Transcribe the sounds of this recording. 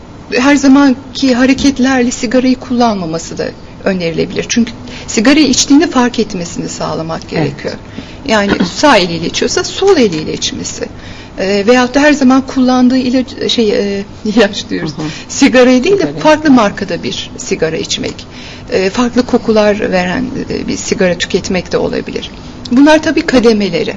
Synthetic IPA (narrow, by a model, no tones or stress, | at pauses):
ɦæɾzamancʰiɦaɾecʰɛt̪lʲæɾlʲɛsiɡaɾajikʰulˠːanmamasɯd̪a̰ | ø̞nd̪e̞ɾilʲe̞bilʲiɾt͡ʃʰyɲcʰy̥ | siɡaɾajit͡ʃt̪ʰiːnifaɾkɛt̪me̞sinisa̰ːlˠamak̚ɟe̞̰ɾḛcʰijo̰ɾ | jaːniɪ̰saelʲilʲet͡ʃʰijo̞saso̞lˠelʲiːlʲɛt͡ʃmḛsɪ̰ | vejat̪ːaɦæɾzamankʰulˠːand̪ɯːilʲaʃejɛ | ilʲat͡ʃlˠɯjoɾuz̥siɡaɾajd̪iːlʲd̪ɛfaɾklˠɯmaɾkʰad̪abiɾ̥siɡaɾa̰it͡ʃmɛ̰c | ɛːfaɾklˠɯkʰo̞kʰulˠaɾve̞ɾæ̰n̰ːbḭsiɡaɾat̪ʰy̥cʰɛt̪mɛct̪ʰɛo̞̰lˠa̰bilʲḭɾ̥ | bunlˠaɾt̪ʰabiːkʰad̪eme̞lʲe̞ɾɪ̰